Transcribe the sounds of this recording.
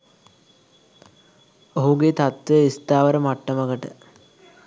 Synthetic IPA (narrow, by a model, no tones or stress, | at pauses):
oɦuɡet̪at̪ʋejist̪aːʋəɾəmaʈːəməɡəʈə